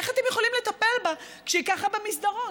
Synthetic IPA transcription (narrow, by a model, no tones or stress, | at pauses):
eχat̪emjeχolimlet̪ape̞lba | kʃeikaχabemisd̪aʁo